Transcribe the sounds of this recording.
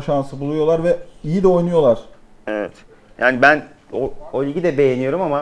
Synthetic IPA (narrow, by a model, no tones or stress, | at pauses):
ʃansɯbulˠujo̞lˠaɾvɛijid̪ɛo̞jnujo̞lˠaɾ̥ | evɛ̰t̪ | jaːnibæn | oolʲiɟʲid̪ɛbe̞jenijo̞ɾumama